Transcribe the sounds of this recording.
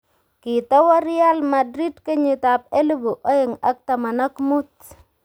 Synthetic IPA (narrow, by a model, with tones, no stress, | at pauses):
kɪ˨t̪ɔ˦wa˦ɾɪa˦lma˨dɾi˦dke˦ɲi˨t̪a˨p̚e˦lu˦bo˨ʔɔ˦ɪ˨ŋa˦k̚t̪a˨ma˨na˦kmu˦t̪̚